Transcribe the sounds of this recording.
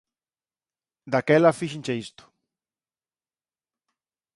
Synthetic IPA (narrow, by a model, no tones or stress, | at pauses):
d̪akɛlafiʃint͡ʃeist̪ʊ̥